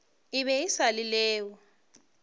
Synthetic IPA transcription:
iβɛisalilɛːwɔ

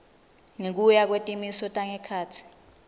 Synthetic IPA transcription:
ŋek̬ujak̬wetʼimisɔtʼaŋɛkʰaːtʰi̥

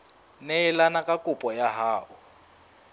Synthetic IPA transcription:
nɛɪlanakʼakʼupʼɔjaɦaːʔʊ

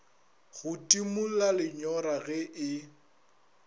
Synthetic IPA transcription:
ɣʊtʼimulalɪɲɔɾaɣɛʔɪ

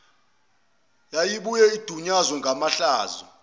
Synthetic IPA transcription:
jajiɓujɛid̥ʱuɲazwɔŋɡʱamaɬaːzɔ̰

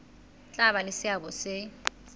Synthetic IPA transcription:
t͡ɬʼaβalɪsɪabɔsɪ

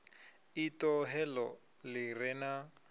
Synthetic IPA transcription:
itʼɔɦɛlɔ | lɪrɛna

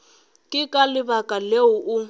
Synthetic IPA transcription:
kʼɪkʼalɪbakʼaleʊʔʊ

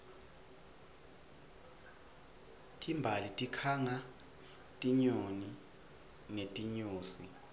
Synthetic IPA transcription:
tʰʼimbʱalitʼikʰaŋa | tʼiɲoni | netʼiɲoːsi

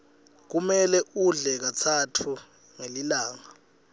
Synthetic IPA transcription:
k̬umɛlɛʔuɮɛk̬at͡sʰatʰu | ŋelilaːŋa

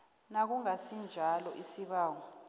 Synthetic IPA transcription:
nak̬uŋasind͡ʒʱalɔʔisiɓaːŋɔ

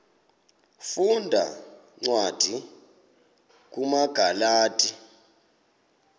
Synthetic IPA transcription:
fundʱa̰ | ŋ͡ǀwad̥ʱi | k̬ʼumaɡ̥ʱalaːtʼi

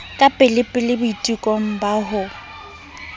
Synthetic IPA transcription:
kʼapʼɪlɪpʼɪlɪbʊitʼikʼɔŋ̩baɦʊ

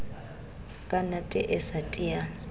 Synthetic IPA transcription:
kʼanatʼɛʔɛsatʼija

